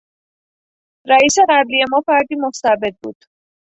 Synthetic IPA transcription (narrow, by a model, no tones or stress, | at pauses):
ɾæiːse̞ɣæblie̞mɒːfæɾd̪iːmost̪æbe̞d̪̚bṵːd̪̥